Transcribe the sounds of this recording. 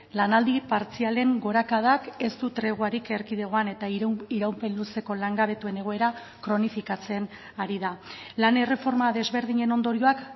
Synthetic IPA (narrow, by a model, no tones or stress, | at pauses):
lanald̪ipaɾt͡siale̞ŋɡo̞ɾakað̞ake̞st̪ut̪ɾe̞ɣ̞waɾike̞ɾkið̞eɣ̞o̞ane̞t̪aiɾawmpe̞nluse̞ko̞laŋɡaβ̞e̞t̪ue̞ne̞ɣ̞oe̞ɾa | kɾo̞nifikat͡se̞n | aɾiðalane̞re̞fo̞ɾmaðe̞zβe̞ɾðiɲe̞no̞nd̪o̞ɾio̞ak